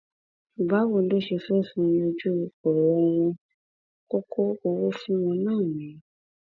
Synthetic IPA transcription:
ʃu˨ba˨˦wo˧˨˦lo˦ʃe˧fɛ˦˨fũ˦˧o˧d͡ʒu˦˧kɔ˨ɾɔ˨˧˦w̃ɔ̃˧ | ko˦kʰo˦o˧wo˦fĩ˦w̃ɔ̃˧nãː˦˨mĩ˨˦

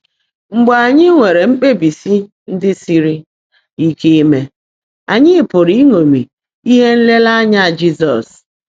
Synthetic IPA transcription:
ŋ͡m̩˨ɡ͡ba˨a˨ɲɪ˦ŋʷe˨ɾe˨ŋ͡m̩˦k͡pe˦bi˨si˦ | n̩˦dɪ˦si˦ɾi˦ | i˦ke˦e˦me˦ | a̰˨ɲɪ˦pʊ˨ɾi˦ŋo˨mi˨ | i˦ɦe˦n̩˦le˦la˦a˦ɲa˦˨d͡ʒi˦zɔ˨s

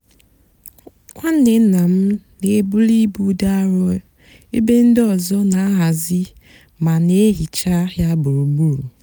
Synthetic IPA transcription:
kʷa˦n̩˦ne˨˦na˨m̩˦ne˨˦bu˦li˦bu˦da˦a˦ɾɔ˦ | e˦be˦n̩˦dɔ˨zɔ˦na˨˦ɦa˨zi˦ | ma˨ne˦ɦi˨t͡ʃa˦ɦja˦bu˨ɾu˨bu˦ɾu˨

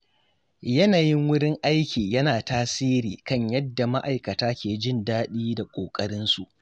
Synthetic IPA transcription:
jɐ˦naː˨jɪ˦ŋwʊ˦ɽɪ˦ŋʔa˦jkʲiː˨jɐ˦naː˨taː˦siː˦ɾiː˨kɐ˦˨ɲjɐ˦dːa˨ma˦ʔa˨jkɐ˨taː˦kʲeː˨d͡ʒɪ˦˨ndaː˦ɗiː˦da˨kʷʼoː˨kʼɐ˦ɽɪ˦nsu˨ʔ

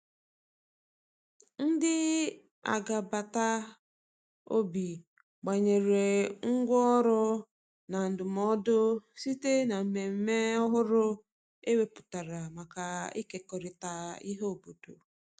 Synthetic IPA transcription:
n̩˦dɪ˦ | a̰˨ɡa˨ba˨ta˦ | o˦bi˨ | ɡ͡ba˨ɲe˨ɾe˨ŋ̩˦ɡʷɔ˦ɔ˦ɾʊ˦ | na˨n̩˨dʊ˨mɔ˦dʊ˦si˦te˦na˨m̩˨me˨m̩˦me˦ɔ˦ɦʊ˦ɾʊ˦ | e˦we˨˦pʊ̥˨ta˨ɾa˨ma˨ka˨i˦ke˨kɔ˨ɾɪ˨ta˨i˦ɦo˦o˨bo˨do˨

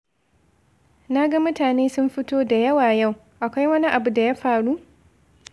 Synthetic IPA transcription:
na˦ɡa˦mʊ˦taː˨neː˦sʊ˦mɸɪ˦toː˦da˨jɐ˦waː˨ja˦˨w | ʔa˨kʷa˦jwɐ˦ni˦ʔa˨bu˨da˨ja˦ɸaː˨ɽu˦ʔ

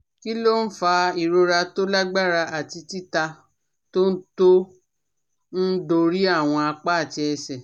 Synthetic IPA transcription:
ki˦lo˦n̩˦fa˧i˨ɾo˧ɾa˧to˦la˦ɡ͡ba˦˨ɾa˧ʔa˨ti˧ti˦ta˧ | to˦n̩˦to˦ | n̩˦do˧ɾi˦a˦˨w̃ɔ̃˧a˧k͡pa˦a˦˨ti˧ɛ˧sɛ˨

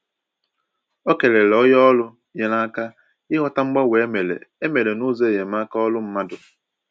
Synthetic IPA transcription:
o˦ke˨le˨lɔ˦jɔ˦lʊ˦ | je˨na˦ka˦ | ɪ˦ɦɔ˦ta˦ŋ͡m̩˦ɡ͡ba˦we˨e˦me˨lḛ˨e˦me˨le˨nu˦ze˦˨je˨ma˦ka˦ɔ˦lʊ˦m̩˦ma˦dʊ˨

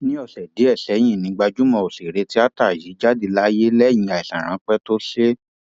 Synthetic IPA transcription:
nĩ˦ɔ˦˨ɬɛ˨de˨˦ɛ˦˨ɬɛ˨˦j̃ĩ˦˨nĩ˨˦ɡ͡ba˧d͡ʒu˦mɔ̃˧o˨ɬe˨ɾe˨˧ti˦a˦ta˦˨ji˨˦d͡ʒa˦di˧la˦je˦lɛ˦˨jĩ˧a˨i˨ɬã̰˨ɾ̃ã˨˦k͡pɛ˦to˦ɬe˦

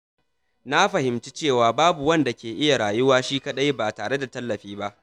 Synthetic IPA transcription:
na˦ɸɐ˨hɪ˨mt͡ʃi˦t͡ʃeː˦˨waː˨baː˦bu˨wɐ˦nda˨kʲeː˨ʔɪ˦ja˨ɽaː˨jʊ˦waː˦ʃiː˦kɐ˦ɗa˦jbaː˨taː˨ɽe˦da˨tɐ˦lːɐ˨ɸiː˦ba˦ʔ

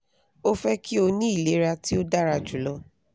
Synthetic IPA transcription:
o˦fɛ˦ki˦o˧nĩ˦i˦˨le˨˦ɾa˧ti˦o˦da˦ɾa˧d͡ʒu˨lɔ˧˦

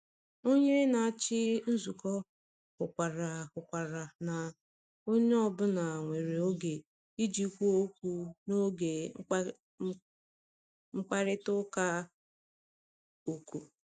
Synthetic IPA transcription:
o˦ɲe˦na˨a˨t͡ʃɪ˦n̩˦zu˨kɔ˦ | kʊ˨kʷa˨ɾa˨kʊ˨kʷa˨ɾa˨na˨ | o˦ɲe˦ɔ˦bʊ˦na˨ŋʷe˨ɾe˨o˦ɡe˨ | i˦d͡ʒi˨˦kʷu˦o˦kʷu˦no˦ɡe˨˦ | ŋ͡m̩˦k͡pa˦ɾɪ˦tʊ˦ka˦ | o˨ku˨

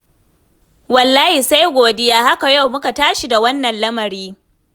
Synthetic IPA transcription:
wɐ˨lːaː˦hi˨sa˦jɡʷoː˨dɪ˦jaː˦ha˦ka˨ja˦˨wmʊ˦ka˨taː˦ʃi˨da˨wɐ˦nːɐ˨nlɐ˦mɐ˨ɾiː˦

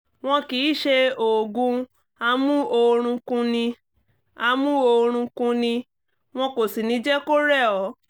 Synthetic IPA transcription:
w̃ɔ̃˧ki˨˦ʃe˧o˨ɡũ˧ | a˧mũ˦o˧ɾ̃ũ˧kũ˧nĩ˧ | a˧mũ˦o˧ɾ̃ũ˧kũ˧nĩ˧ | w̃ɔ̃˧ko˨si˨nĩ˨˦d͡ʒɛ˦ko˦ɾɛ˦˨ɔ˨˦

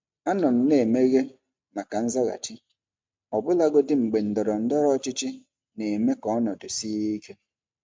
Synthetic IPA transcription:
a˦nɔ˨m̩˦ne˨me˦ɣe˦ | ma˨ka˨n̩˦za˦ɣa̰˨t͡ʃɪ˦ | ɔ˨bʊ˦la˦ɡo˦dɪ˦ŋ͡m̩˨ɡ͡be˨n̩˨dɔ˨ɾɔ˨n̩˦dɔ˦ɾɔ˦t͡ʃɪ˦t͡ʃɪ˦ | ne˨me˦kɔ˦nɔ˨dʊ˨si˦i˦ke˦

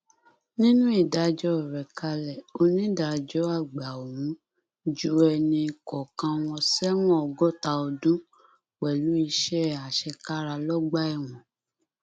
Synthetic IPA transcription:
nĩ˦nũ˦i˦˨da˨˦d͡ʒɔ˦˨ɾɛ˨ka˧lɛ˨o˧nĩ˦da˨d͡ʒɔ˦a˦˨ɡ͡ba˨o˨wũ˨˦ | d͡ʒu˦ɛ˧nĩ˧kɔ˨kã˧w̃ɔ̃˧sɛ˦w̃ɔ̃˦ɔ˧ɡɔ˦˨ta˧o˧dũ˦ | k͡pɛ˨lu˨˦i˧ʃɛ˦˨a˨ʃɛ˧ka˦ɾa˧lɔ˦ɡ͡ba˦ɛ˦˨w̃ɔ̃˨

